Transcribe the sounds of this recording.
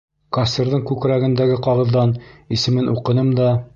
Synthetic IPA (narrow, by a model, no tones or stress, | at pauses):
kasʲt̪iɾðɤɴkʉkɾæɡɘ̆nd̪æɡɘqɑʁɤ̆ðːɑnisɘ̆mɘnʔuqɤ̆nɤmd̪ɒ